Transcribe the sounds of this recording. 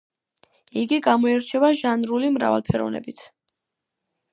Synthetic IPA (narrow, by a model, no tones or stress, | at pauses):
iɡiɡamɔɛɾt͡ʃʰɛbaʒanɾulimɾa̰va̰lˠpʰɛɾɔ̰vnɛ̰bit̪ʰ